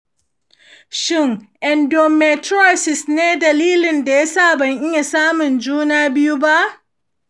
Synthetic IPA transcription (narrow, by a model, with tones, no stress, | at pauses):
ʃɪ˦ŋʔɛ˨ndo˨mɛ˨tɾo˦˨sɪ˨sneː˦dɐ˨liː˦lɪ˨nda˨ja˦sa˦˨bɐ˨ɲʔɪ˦ɲja˨saː˦mʊ˨nd͡ʒuː˦naː˦bɪ˦ju˦ba˦ʔ